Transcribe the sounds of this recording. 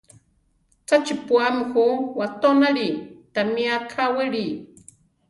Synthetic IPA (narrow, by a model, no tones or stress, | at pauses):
t͡sat͡ʃipuamxuwat̪onaɾit̪amiakʰawɪɽi